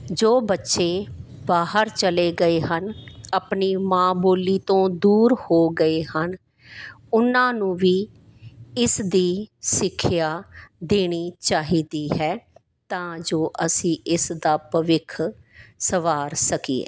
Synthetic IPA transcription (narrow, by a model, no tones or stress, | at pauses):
d͡ʒoːbətːʃeː | baːɦəɾt͡ʃəleːɡəeːɦənapniːmãːboːliːt̪õːd̪uːɾhoːɡəeːhən | ʊnãːnũːʋiː | ɪsd̪iːsɪkʰːjaːd̪eːɽ̃iːt͡ʃaːɦiːd̪iːɦɛː | t̪ãːd͡ʒoːʔəsĩːʔɪsd̪aːpəʋɪkʰsəʋaːɾsəkiːḛː